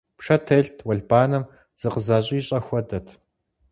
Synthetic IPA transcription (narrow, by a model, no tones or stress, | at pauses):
pʂɐtʰeɬtʰwɐɮbaːnɐm | z̥ɨqəzaːɕʼiːɕʼɐxʷɐdɐtʰ